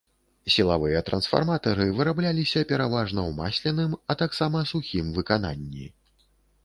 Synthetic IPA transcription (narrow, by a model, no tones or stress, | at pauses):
sʲilˠavɨjɐt̪ɾɐnsfa̰rmat̪ɐɾɨvɨɾablʲalʲisʲɐpʲɛɾavaʐnɐwma̰sʲlʲɛnɨmɐt̪aksamɐsuxʲimvɨkana̰nʲːḭ